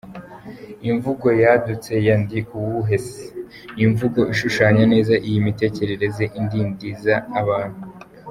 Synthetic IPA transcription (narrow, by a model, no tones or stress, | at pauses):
iɱvuɡo̞jadut͡se̞jandiʔuwuɦe̞se̥ | iɱvuɡo̞ʔiʃuʃaːɲane̞ːzaʔijimite̞ːce̞ɾe̞ɾe̞zeʔindiːndizaːβaːn̥hu